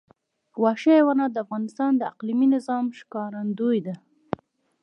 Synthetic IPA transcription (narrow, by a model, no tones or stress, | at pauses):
wɑʃewanɑd̪əafɣɑnɪst̪ɑnd̪əa̰qliminɪzɑmʃkɑɾand̪ujd̪a